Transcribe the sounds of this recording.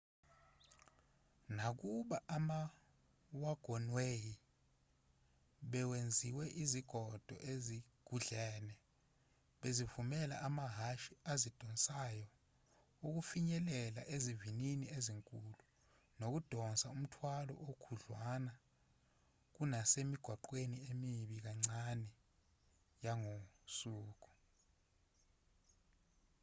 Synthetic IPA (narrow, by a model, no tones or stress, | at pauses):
nak̬uɓaʔama | waɡ̥ʱɔnweːji | ɓɛwend͡zʱiwɛʔiziɡ̥ʱɔd̥ʱɔ̰ʔeziɡ̥ʱuɮɛːnɛ | ɓezivumɛlaʔamaɦaʃiazid̥ʱɔnsʼajɔ | uk̬ufiɲɛlɛla̰ʔezivininieziŋkʼulu | nok̬ud̥ʱɔnsʼaum̩tʰwalɔ̰ʔokʰuɮwana | k̬unasemiɡ̥ʱwaǃweniemiɓik̬aŋ͡ǀanɛ | jaŋosuːk̬u̥